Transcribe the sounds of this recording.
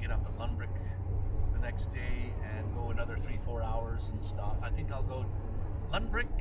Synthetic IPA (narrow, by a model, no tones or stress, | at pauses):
ɡ̥ɛɾʌpətˡlʌ̃mbɹɪk | ðənɛksd̥eɪɨ̃nɡoʊənʌðə˞θɹifɔɹaʊə˞z̃n̩stɑpaɪθɪ̃ŋkaɪlˠɡoʊ | lʌ̃mbɹɪk̚